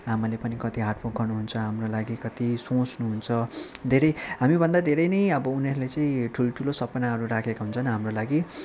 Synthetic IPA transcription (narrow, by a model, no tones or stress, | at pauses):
amalepʌnikʌt̪iɦaʈpoɡʱʌrnuɦunt͡sʰʌɦamrolaɡikʌt̪isõt͡snuɦunt͡sʰʌd̪ʱeɾʌjɦamibʱʌnd̪ad̪ʱeɾʌjnʌjʌbʌuneɾulet͡sʌĩʈʰuloʈʰulosʌpnaɦʌɾuɾakʰekaɦunt͡sʰʌnɦamrolaɡi